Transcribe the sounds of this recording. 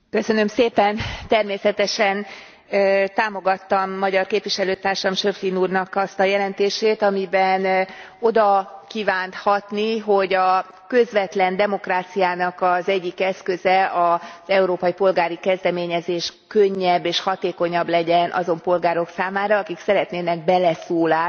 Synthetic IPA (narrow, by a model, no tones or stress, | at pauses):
kø̞sø̞nømseːpɛnt̪ɛrmeːsɛt̪ɛʃɛn | t̪aːmo̞ɡɒt̪ːɒmːɒɟɒrkeːpʋiʃɛløːt̪aːrʃɒmʃøflinuːrnɒkɒst̪ɒjɛlɛnt̪eːʃeːt̪ɒmibɛn | o̞d̪ɒkiːvaːnt̪hɒt̪niɦo̞ɟɒ | kø̞zʋɛt̪lɛnd̪ɛmo̞kraːt̪sijaːnɒkɒzɛɟːikɛskø̞zɛɒz̥ɛuɾoːpɒjipo̞lɡaːɾikɛzd̪ɛmeːɲɛzeːʃkøɲːɛbːeːʃhɒt̪eːko̞ɲɒblɛɟɛnʔɒ̰zo̞mpo̞lɡaːɾo̞ksaːmaːɾɒɒkiksɛɾɛt̪neːnɛɡ̚bɛlɛsoːlaː